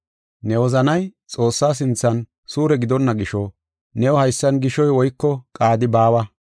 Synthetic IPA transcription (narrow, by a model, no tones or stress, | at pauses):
nɛwɔzɐnɐjt͡sʼo̞ːsːaːs̬ɪnt͡sːɐn | suːɾɛɡɪd̪ɔnːɐɡɪʃɔ | nɛwɔhɐjsːɐnɡɪʃɔjwɔjkːɔkʼaːd̪ɪbaːwɐ